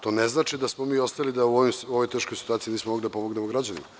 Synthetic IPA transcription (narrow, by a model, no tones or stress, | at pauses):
t̪o̞ːneznaːt͡ʃid̪asmomiːo̞st̪ajlid̪auoimuoʋo̞jt̪eʃkojsi̥t̪uaːt̪siniːsmomo̞ɡlid̪apo̞moɡnemoɡɾad͡ʑanḭma